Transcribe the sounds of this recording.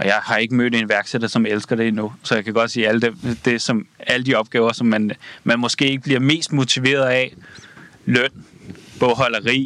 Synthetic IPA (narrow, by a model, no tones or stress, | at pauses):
ʔɒ̽jɑ̈ɪhɑ̈e̝ɡ̥əmø̰ːd̥e̝nʋæɐɡ̥seɾ̥ɐsɒ̽melsɡ̥ɐɾ̥e̝enusɒ̽jɑ̈ɪkʰæɡ̥ɒ̽d̥siːæləd̥emd̥e̝sɒ̽mæləd̥iɒ̽b̥ɡ̥ɛːʊɐsɒ̽mːænmænmɒ̽sɡ̥e̝̰ːe̝ɡ̥əbliɐme̝̰ːsd̥mo̝t͡sʰiʋe̝̰ːɐðˠæ | lœn̰b̥ɒ̽ɦɒ̽lɐʁḭː